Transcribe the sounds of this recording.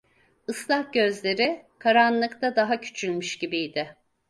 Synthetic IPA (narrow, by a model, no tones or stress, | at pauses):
ɯslˠahɟø̞zlʲe̞ɾɪkʰaɾanlˠɯkt̪ʰad̪aɦacʰy̥t͡ʃʰylʲmyʃɟibijd̪ɪ